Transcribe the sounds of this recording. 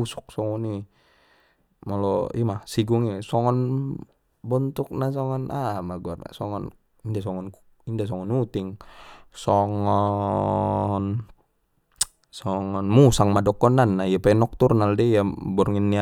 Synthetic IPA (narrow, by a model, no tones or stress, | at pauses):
usɔ̥k̚sɔŋɔni | mɔlɔimahsiɡuŋɛsɔŋɔn | bɔnt̪uk̚nasɔŋɔnʔamaɡuarna̰sɔŋɔn | indas̬ɔŋɔn | indas̬ɔŋɔnut̪iŋsɔŋɔ | n | sɔŋɔnmusaŋmadɔkɔnanːaiapɛnɔk̚t̪urnaldɛjabɔrŋinːia